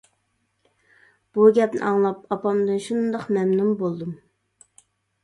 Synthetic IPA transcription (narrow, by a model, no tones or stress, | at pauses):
b̥uɡʲɛpnɪ̰ʔɑŋlˠɑpɑpɑmd̪ɨnʃund̪ɑqmɛmnumbolˠd̪um